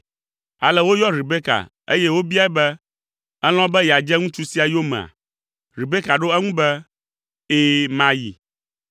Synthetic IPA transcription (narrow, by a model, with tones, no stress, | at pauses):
a˨lɛ˦wo˦jɔ˦ɾi˨be˦ka̰˨ | e˦jɛ˦wo˦bi˦a˦ɛ˦bɛ˦ | ɛ˦l̃ɔ̃˦bɛ˦jɛ˨a˨d͡ʒɛ˦ŋũ˦t͡ʃu˦si˦a˨jo˦mɛ̰̃˨a̰˨ | ɾi˨be˦ka˨ɖo˦ɛ˦ŋũ˦bɛ˦ | e˦mã˨jḭ˨